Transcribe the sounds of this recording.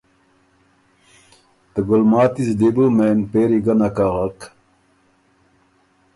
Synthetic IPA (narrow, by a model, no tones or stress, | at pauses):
t̪əɡulmaːt̪isd̪ebumeːnpeːɾiɡɐnɐkaːʁɑk